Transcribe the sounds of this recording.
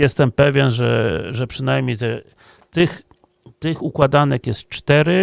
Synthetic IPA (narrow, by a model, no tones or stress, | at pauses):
jɛst̪ɛmpɛvʲjɛnʐɛ̰ʐɛpʂɘnajmʲɲejt̪ɛ | t̪ɘx | t̪ɘxukwad̪anɛkjɛst̪̚t͡ʂt̪ɛɾɘ